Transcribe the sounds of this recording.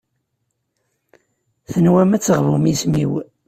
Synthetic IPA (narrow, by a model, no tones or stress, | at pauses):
θənwæmæt͡sːəʁvumismiw